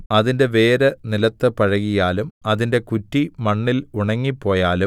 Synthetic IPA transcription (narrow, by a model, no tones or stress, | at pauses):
ɐðinde̞ʋe̞ːɾɐnilɐt̪ːɨpɐɻɐɣijaːlumɐðinde̞kutːimɐɳːiluɳɐŋːipːo̞ːjaːlu